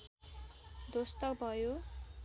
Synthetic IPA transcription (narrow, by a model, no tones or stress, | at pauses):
d̪ost̪ʌkbʱʌjo